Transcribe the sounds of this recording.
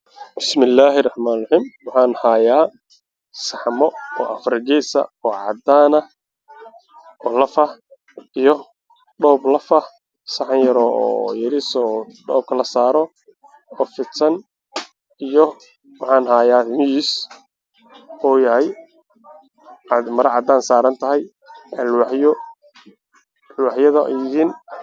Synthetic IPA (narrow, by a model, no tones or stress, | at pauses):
bɪsmɪlːaːɦɪrɑħmaːnrɑħiːmwɑħɑːnhaːjaː | sɑħmɔɔːʔɐfɾɪɡisɐ̰ɔːʕɑ̰d̪aːnɐ | ɔlɐfɐh | ijɔ | ɖɔːblɐfɐh | sɑħɑnjɐɾɔɔ̰ːjɐɾisɔɖɔːb̚kʰɐlɐsaːɾɔ | ɔːfɪt̪sɐn | ijɔ | wɑħɑːnɦaːjaːmɪjiːs | ɔːjɐɦɛj | ɑd̪mɐɾɐʕɑd̪aːnsaːɾɐnt̪ʰɐɦɛj | ɐlwħjɔ | lwɑħjɐðɐɛjɪɦiːn